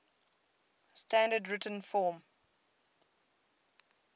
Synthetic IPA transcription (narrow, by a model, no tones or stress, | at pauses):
stʰãndədɹɪtə̃nfɔːm